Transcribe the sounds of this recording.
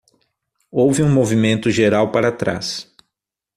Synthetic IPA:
owvɪũmovimẽnt̪ʊʒeɾawpaɾat̪ɾa̰s

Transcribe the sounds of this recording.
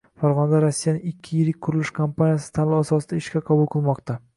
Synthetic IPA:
faɾʁɒnad̪aɾasːijanɪŋɪkʲʰːɪjɪɾɪkʲkʰʊɾɪlɪʃkʰampanijasɪ̥t̪ʰalɪasɒsɪd̪aɪʃkʲaqʰɑbʊlˠqʰɨlˠmɒqt̪a

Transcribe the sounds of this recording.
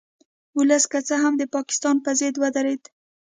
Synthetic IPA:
ʊləskat͡saɦamd̪əpɑkɪ̥st̪ɑnpəzɪd̪wad̪aɾed̪

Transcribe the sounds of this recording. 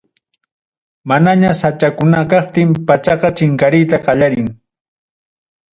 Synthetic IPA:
manaɲasat͡ʃakʊnakɑχ̚t̪ɪmpat͡ʃɑqɑt͡ʃɪŋkaɾɪjt̪aqɑʎaɾɪŋ

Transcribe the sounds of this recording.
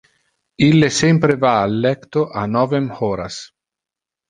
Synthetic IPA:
ilːesempɾevaːlːɛkt̪oʔanɔːvemhɔɾa̰s

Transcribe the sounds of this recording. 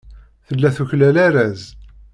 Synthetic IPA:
θəlːæθuçlælæɾæz

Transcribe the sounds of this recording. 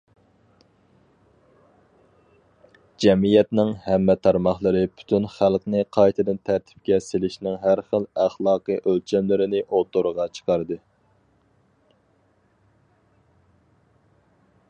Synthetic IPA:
d͡ʒɛmijɛt̪nɪŋhɛmːɛt̪ʰɑɾmɑχlˠəɾɨpʰy̥t̪ʰynχælˠqnɨqʰɑjt̪ʰɨd̪ɨnt̪ʰæɾt̪ʰɪ̥p̚kʲɛselɪʃnɪŋɦæɾχəlˠæχlˠɑːqɨʔølt͡ʃʰɛmlɪɾɪnɪʔot̪ʰʊɾəʁɑt͡ʃʰə̥qɑɾd̪ɨ

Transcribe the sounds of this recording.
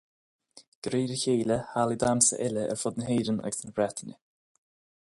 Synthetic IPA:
ɡ̥ɾiːɾəçeːləhaːlid̪amsə̰ʔɪləʔɛ̰ɾfʊd̪nəɦeːɾənə̰ɡsənbɾɛt̪ʰənə̰

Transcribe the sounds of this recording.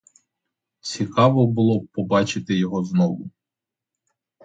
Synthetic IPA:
t͡sʲikɑʋɔbʊlˠɔpɔbɑt͡ʃɪt̪ɪjɔɦɔznɔʋʊ

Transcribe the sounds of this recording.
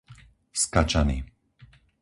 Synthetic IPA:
skat͡ʃanḭː

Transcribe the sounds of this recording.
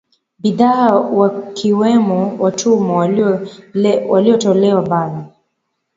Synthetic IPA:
biðaːwakʰiwɛmɔwatʰumɔ | waliɔtɔlɛwabalɔ

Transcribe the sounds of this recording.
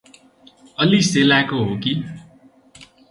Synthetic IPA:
ʌliselakoɦoki

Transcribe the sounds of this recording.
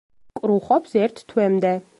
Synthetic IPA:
kʼɾuχɔpsɛɾt̪ʰt̪ʰwɛmd̪ɛ

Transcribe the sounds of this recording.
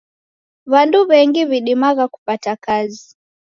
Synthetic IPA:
βanduβɛŋɡiβiɗimaɣaku̥patakazi

